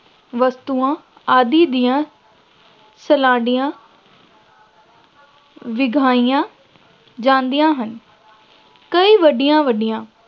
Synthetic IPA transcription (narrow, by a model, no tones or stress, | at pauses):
ʋəst̪uːãː | aːd̪iːd̪ɪjãː | səlãːɖɪjãː | ʋɪɡʱaːijãː | d͡ʒãːnd̪ijãːɦən | kəiːʋəɖɪjãːʋəɖɪjãː